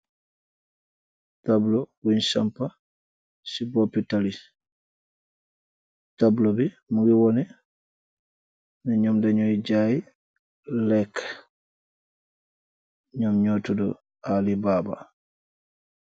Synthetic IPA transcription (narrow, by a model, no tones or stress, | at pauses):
tablɔwunsampːa | sibɔpːitali | tablɔbɛ | muɡiwɔnɛ | nɛɲɔmdaɲɔid͡ʒaːji | lɛk | ɲɔmɲotɔdɔ̰ | alibaːba̰